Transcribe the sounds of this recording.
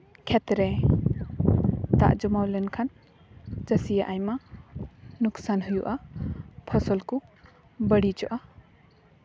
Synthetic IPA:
kʰɛt̪ɾɛ | t̪a̰ʔd͡ʒɔmawlɛnkʰan | t͡ʃəsijaʔajma | nuksanɦujuʔapʰɔsɔlku | bəɽid͡ʒɔʔa

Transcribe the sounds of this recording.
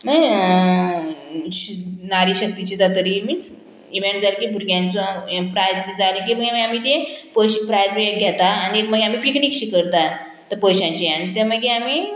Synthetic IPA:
mə | ɕnaɾiɕək̚d̪it͡ɕit̪at̪əɾimit͡s | iʋeɳʈd͡zalekibʱuɾɡjãnt͡sɔpɾajd͡zbiːd͡zalek̬iməɡeməeamit̪epəɕipɾajd͡zbieɡʱɛt̪aːniekməɡeamiːpikɳikɕikəɾt̪a | t̪əɾpəɕãɲt͡ɕianit̪eməɡeamiː

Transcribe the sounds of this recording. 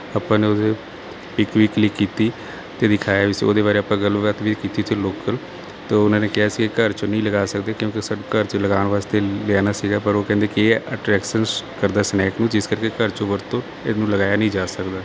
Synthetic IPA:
aːpãːneːod̪eː | pɪkʋiːklɪkːiːt̪iː | t̪eːd̪ɪkʰaːjaːɪso̰ːd̪eːbaːɾeːaːpãːɡəlʋʋət̪ʋiːkiːt̪iːt̪ʰeloːkəl | t̪oːʊnãːneːkɪɦaːsiːkəɾt͡ʃonəĩːləɡaːsəkd̪eːkjõːkesəkəɾt͡ʃləɡaːnʋaːst̪eːlɪaːnaːsiːɡaːpəɾoːkɛ̃ːnd̪eːkieːəʈɾɛːkʃənkəɾd̪aːsnɛːknũːd͡ʒɪskəɾkeːkəɾt͡ʃõʋəɾt̪õː | ɪnũːləɡaːjaːnəĩːd͡ʒaːsəkd̪aː

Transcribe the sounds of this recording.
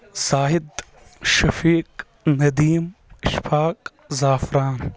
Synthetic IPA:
z̥aːɦɪd̪ | ʃɐfiːk | nɐd̪iːmʃpʰaːkʼ | zaːfɾaːn

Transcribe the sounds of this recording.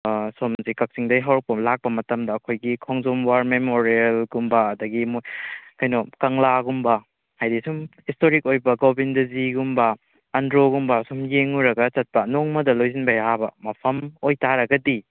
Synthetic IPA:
somzikɐk̚siŋdɐjɦɐwɾɐk̚pɐlak̚pɐmɐtɐmdɐːkʰojɡikʰoŋzomwaɾmemoɾielɡumbɐːdɐɡimokɐjnokɐŋlaɡumbɐ | hajdisumhistoɾikojbɐɡobindɐziɡumbɐː | ndɾoɡumbɐsumjeŋuɾɐɡɐt͡ʃɐt̚pɐnoŋmɐdɐlojzinbɐjabɐmɐpʰɐmojtaɾɐɡɐdi

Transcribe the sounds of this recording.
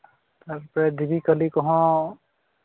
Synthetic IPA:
t̪aɾpɹɛd̪ibikəlikɔɦɔ̃

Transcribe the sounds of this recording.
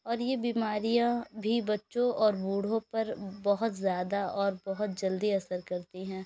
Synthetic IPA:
ɔːɾjebiːmaːɾijãbʱibɐtːʃõʔɔːɾbuːɽ̤õpɐɾbɐɦʊt̪zjaːd̪aʔɔːɾbɐɦʊt̪̚d͡ʒɐld̪iɐsəɾkɐɾt̪iɦɛ̃ː

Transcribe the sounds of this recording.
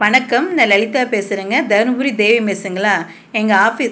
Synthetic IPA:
ʋɐɳɐkːɐmnɐlɐɭɪt̪ːaːpeːsɪɾɯŋɡɐd̪ɐɾbʊɾid̪eːʋimeːsɯŋɡɐɭaː | ɛŋɡɐaːfiː

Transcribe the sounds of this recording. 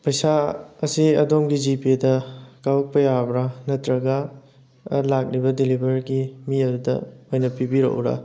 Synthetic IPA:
pɐjsaɐsiɐdomɡid͡ʒipidɐkawk̚pɐjabɾanɐtɾɐɡɐ | lak̚ɾibɐdilibʱɐɾɡimiɐdudɐ̰ojnɐpibiɾo̰ʔɾɐ̰

